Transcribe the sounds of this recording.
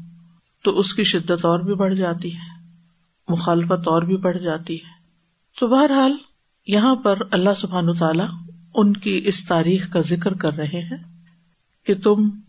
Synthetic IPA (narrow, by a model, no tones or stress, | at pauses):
t̪oʔʊskiʃɪd̪ːət̪ɔːɾbʱibɐɽ̤d͡ʒaːt̪iɦɛː | mʊxaːlɪfət̪ɔːɾbʱibɐɽ̤d͡ʒaːt̪iɦɛː | t̪oːbɐɦəɾɦaːl | jɐɦãpɐɾɐlːaɦsʊbʱɦaːnʋat̪aːlaʊnkiʔɪst̪aːɾiːxkazɪkɾkɐɾːɐɦeɦɛ̃ː | ket̪ʊm